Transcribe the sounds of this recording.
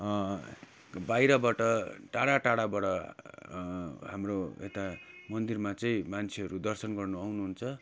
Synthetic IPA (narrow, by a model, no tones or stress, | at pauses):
bajɾʌbaʈʌʈaɽaʈaɽabaɽʌ | ɦamroḛt̪amʌnd̪irmat͡sʌjĩmant͡sʰeɦʌɾud̪ʌrsʌnɡʌrnuawnuɦunt͡sʰʌ